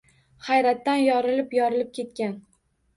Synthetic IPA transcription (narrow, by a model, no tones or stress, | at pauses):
χajɾat̪ːanjɒɾɪlɪpjɒɾɪlɪp̚kʲʰe̞t̪̚kʲan